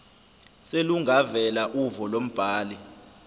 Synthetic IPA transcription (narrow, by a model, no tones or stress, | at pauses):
seluŋʱavɛlaʔuvɔlom̩b̥ʱaːli